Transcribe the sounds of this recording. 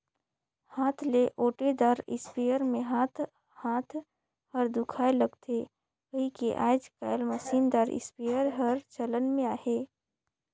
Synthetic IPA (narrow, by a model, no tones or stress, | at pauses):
haːt̪ʰleʔoːʈed̪aɾɪ̰spijəɾmẽɦaːt̪ʰ | haːt̪ʰ | həɾd̪ʊkʰaːeləɡt̪ʰe | kəɦikeʔa̰ːd͡ʒkaːɪlməsiːnd̪aɾɪ̰spijəɾɦəɾt͡ʃələnmẽaːheː